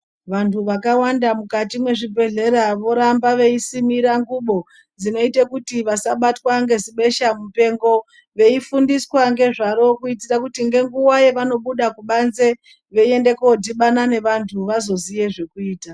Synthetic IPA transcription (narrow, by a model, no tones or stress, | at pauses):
ʋantʰuʋakawandamukatimwe̞ʐibʱe̞ɮe̞ɾaʋo̞ɾambaʋe̞isimiɾaŋɡuɓo̞ | d͡zino̞itakutiʋasaɓatwaŋɡe̞ziɓe̞ʃamupe̞ŋɡo̞ | ʋe̞ifundiswaŋɡe̞ʐaɾo̞kuitirakutiŋɡe̞ŋɡuwajeʋano̞ɓuɗakuɓanze̞ | ʋe̞ie̞nde̞koodʱiɓanane̞ʋantʰuʋazo̞zije̞ʐe̞kuiːta